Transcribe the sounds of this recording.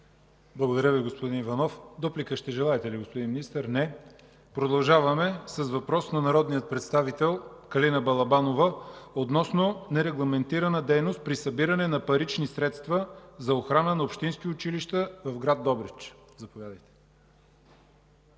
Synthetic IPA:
blˠəɡod̪ɐɾʲjəviɡospod̪inivɐnɔfd̪ɔplikəʃt̪ɛʒɛlˠaɛt̪ɛliɡospod̪inminist̪əɾnɛ | pɾod̪ɐlˠʒavɐmɛsəsvɐpɾɔsnɐnɐɾɔd̪nijət̪̚pɾɛt̪st̪avit̪ɛlˠkɐlinəbɐlˠɐbanovəot̪nɔsnonɛɾɛɡlˠɐmɛnt̪iɾɐnəd̪ɛjnost̪̚pɾisɐbiɾɐnɛnɐpɐɾit͡ʃnisɾɛt̪st̪vɐzɐoxɾanənɐopʃt̪insk̟iʊt͡ʃiliʃt̪əvɐvɡɾad̪̚dːɔbɾit͡ʃ | zɐpovʲjad̪əjt̪ɛ̥

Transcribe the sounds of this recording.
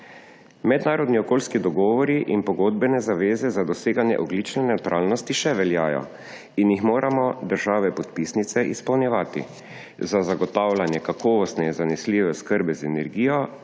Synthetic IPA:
mɛd̪naːɾɔd̪niɔkoːlskid̪ɔɡɔːʋɔɾiʔinpɔɡoːd̪̚bɛnɛzaʋeːzɛzad̪ɔseːɡanjɛ̰ʔɔɡlit͡ʃnɛnɛwt̪ɾʔaːlnɔst̪iʃɛʋɛljaːjɔ̰ | injixmoːɾʔamɔd̪əɾʒaːʋɛpɔt̪pisnit̪sɛʔispɐwnjɛʋaːt̪ḭ | zazaɡɔt̪awlanjɛkakɔːʋɔst̪nɛinzanɛsliːʋɛskəɾbɛzɛnɛɾɡiːjɔ

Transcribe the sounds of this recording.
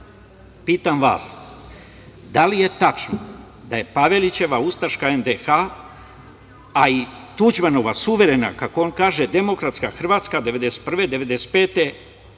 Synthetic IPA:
piːt̪amʋa̰ːs | d̪alije̞t̪at͡ʃno | d̪aje̞paʋe̞lit͡ɕe̞ʋaust̪aɾʃkaend̪exa | it̪ud͡ʑmano̞ʋasuʋe̞ɾe̞na̰kakoonkaːʒe̞d̪e̞mo̞kɾat̪skaxr̩ʋaːt̪skad̪eʋe̞d̪ese̥t̪̚pr̩ʋe̞d̪e̞ʋe̞d̪ese̥t̪̚peːt̪e̞

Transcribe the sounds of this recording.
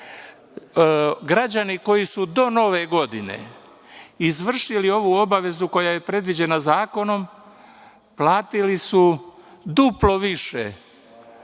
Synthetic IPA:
ɡɾad͡ʑaniko̞jisud̪o̞no̞ʋe̞ɡo̞d̪ine̞̰ | izʋr̩ʃilio̞ʋuo̞baʋe̞zuko̞jaje̞pɾe̞d̪ʋid͡ʑe̞nazaːko̞no̞m | plˠaːt̪ilisud̪uplo̞ʋiʃe

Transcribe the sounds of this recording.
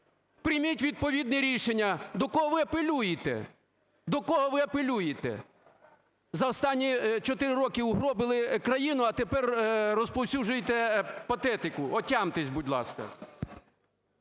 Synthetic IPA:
pɾʲɪmʲitʲʋʲid̪̚pɔʋʲid̪nɛɾʲiʃenʲːɐd̪ɔkɔɦɔʋɪɐpelʲujɪt̪ɛ̰ | d̪ɔkɔɦɔʋɪɐpelʲujɪt̪ɛ̰ | zɐɔst̪ɑnʲːit͡ʃɔt̪ɪɾɪrɔkɪʊɦɾɔbɪlˠɪkɾɐjinʊɐt̪epɛrrɔspɔwsʲuʒʊjet̪ɛpɐt̪ɛt̪ɪkʊʔɔtʲɑmt̪esʲbudʲlˠɑ̰skɐ̰

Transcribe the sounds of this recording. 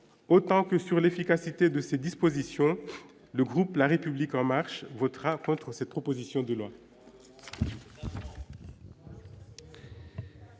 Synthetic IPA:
ot̪ɑ̃kəsyʁlefikasit̪ed̪əsed̪ispozisjɔ̃ | ləɡʁuplaʁepyblikɑ̃maʁʃvɔt̪ʁakɔ̃t̪χəsɛt̪̚pχɔpozisjɔ̃d̪əlwa

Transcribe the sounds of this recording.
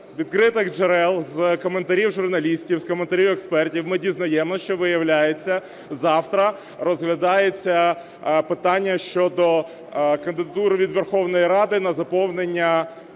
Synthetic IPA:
ʋʲid̪kɾɪt̪ɪɣd͡ʒeɾɛlˠzkɔme̞nt̪ɐɾʲiwʒʊrnɐlʲisʲtʲiwskɔment̪ɐɾʲiwɛkspɛrtʲiwmɪdʲiznɐjɛmɔʃt͡ʃɔʋɪjɐwlʲajet͡sʲːɐ | zɑwt̪ɾɐ | ɾɔzɦlʲɐd̪ɑjet͡sʲːɐ | pɪt̪ɑnʲːɐʃt͡ʃɔd̪ɔ | kɐnd̪ɪd̪ɐt̪uɾʋʲid̪ʋerxɔwn̪ɔjiɾɑd̪ɪnɐzɐpɔwnenʲːɐ

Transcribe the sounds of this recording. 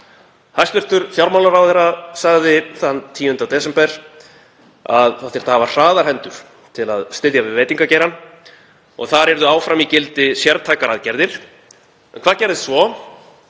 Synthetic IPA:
hajst̪vɪr̥t̪ʏɾ̥fjawɾmawlaɾawθɛrːasaɣðɪθanːt̪ʰiːʏnt̪awt̪ɛs̬ɛmpɛɾ̥ | a̰ðaθɪɾ̥t̪aːvḁr̥aːðaɾhɛnt̪ʏɾ̥ | t̪ʰɪla̰ðst̪ɪðjavɪvɛjt̪iŋkacejɾan | ɔ̰ɣθaɾɛɾðʏaːwfɾamicɪlt̪ɪsjɛɾt̪ʰajkaɾaðcɛɾðɪɾ̥ | ɛnkʰvaːðcɛɾðɪssvɔ

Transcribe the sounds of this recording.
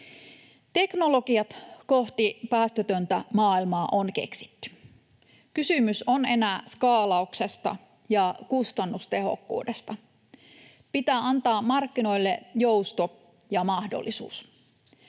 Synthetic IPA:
t̪e̞knolokiɑt̪koht̪ipæːst̪øt̪ønt̪æmɑːilmɑːʔonkḛksi̥t̪ːy̥ | kysymysone̞næˑskɑːlɑuksest̪ɑ̰ | jɑkust̪ɑnːust̪e̞ɦo̰kːṵːdest̪ɑ | pit̪æːʔɑnt̪ɑːmmɑrkːino̞ilːejo̞ust̪o | jɑmɑhdo̰lːisṵːs

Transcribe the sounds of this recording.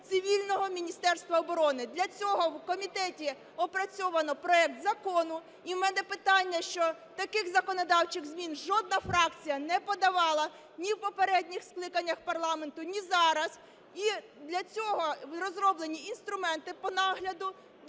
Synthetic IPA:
sɪʋʲilʲnɔɦɔmʲinʲist̪ɛrst̪ʋɐɔbɔɾɔnɪd̪lʲɐt͡sʲɔɦɔwkɔmʲit̪ɛtʲi | ɔpɾɐt͡sʲɔʋɐnɔpɾɔɛk̚t̪zɐkɔnʊ | imɛnɛpɪt̪ɑnʲːɐʃt͡ʃɔ | t̪ɐkɪxzɐkɔnɔd̪ɑwt͡ʃɪɣzmʲinʒɔd̪̚nɐfɾɑk̚t͡sʲijɐnɛpɔd̪ɐʋɑlˠɐ | nʲiwpɔpeɾɛdʲnʲixsklˠɪkɐnʲːɐxpɐrlˠɑme̞nt̪ʊnʲizɑɾɐz | i | d̪lʲɐt͡sʲɔɦɔrɔzrɔblˠenʲiinst̪ɾʊmɛnt̪ɪpɔnɑɦlʲɐd̪ʊ

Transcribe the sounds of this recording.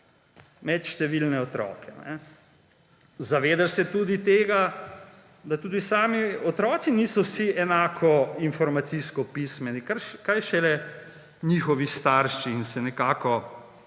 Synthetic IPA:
mɛt̪ʃt̪ɛʋilnɛɔt̪ɾɔ̰ːkɛnɛ̰ | zaʋeːd̪asɛt̪ud̪it̪eːɡa | d̪at̪uːd̪isaːmiɔt̪ɾɔːt̪siniːsɔwsiɛnaːkʰɔinfɔɾmat̪siskɔpismɛnikakajʃɛlɛ | ɲiːxɔʋist̪aɾʃiːnsɛnɛkaːkɔ

